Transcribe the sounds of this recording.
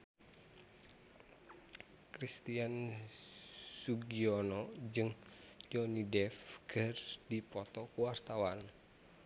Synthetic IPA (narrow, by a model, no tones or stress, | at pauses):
kɾist̪ian | suɡiɔnɔd͡ʒɨŋd͡ʒɔnidɛfkʰərdipɔt̪ɔkuwart̪awan